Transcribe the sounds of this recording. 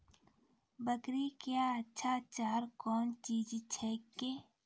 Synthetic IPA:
bəkɾikjaːɐtːʃʰat͡ʃaːɾkɔːnt͡ʃiːd͡ʒt͡ʃʰɛke

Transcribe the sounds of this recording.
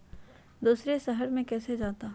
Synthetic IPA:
d̪uːsɾesɐɦəɾmẽkɛːsed͡ʒaːt̪aː

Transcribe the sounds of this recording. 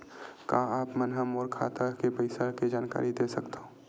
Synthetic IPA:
kãaːpmɛnɦɐmɔːɾkʰa̰ːt̪akepəɪsaɾked͡ʒaːnka̰ːɾid̪esɐkt̪aɦũː

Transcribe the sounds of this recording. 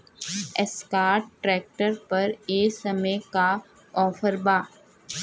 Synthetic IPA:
ɛskaːɾʈːɾɛːk̚ʈəɾpɐɾeːsɐməka | ɔːfəɾbaː

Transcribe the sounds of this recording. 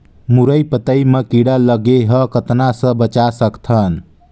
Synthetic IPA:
muɾəjpət̪əjmekiɽaləɡeɦəkət̪nasə̃bət͡ʃasəkt̪ʰən

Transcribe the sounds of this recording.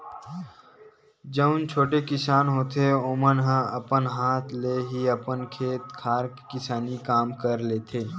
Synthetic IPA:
d͡ʒəʊnt͡ʃʰoːʈekɪsaːnɦoːt̪eoːmənɦãɐpənɦaːt̪ʰleːɦiəpənkʰeːt̪kʰaːɾkkɪsaːnikaːmkəɾleːt̪ʰeː

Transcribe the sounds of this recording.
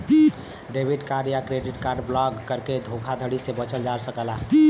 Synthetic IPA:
ɖebʱiɖkaɾɖjakɾeɖiʈkaɾɖblɔɡkəɾked̪ʱokʰad̪ʱəɽisebət͡ʃəld͡ʒaɾsəkəla

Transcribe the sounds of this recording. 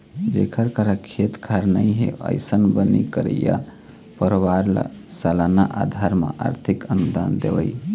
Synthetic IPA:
d͡ʒekʰəɾkəɾakʰet̪kʰaɾnəɪɦḛʔə̰jsənbənikəɾə̰ja̰ | pəɾwaɾl̰salanaʔad̪ʱaɾmḛʔa̰ɾt̪ʰikənud̪and̪eʋəj

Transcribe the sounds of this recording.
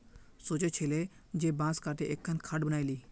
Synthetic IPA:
soːt͡ʃet͡ʃʰeːle | d͡ʒebãːskʰaːʈ̪ʰeʔekʰːənkʰaɖbəñaːiliː

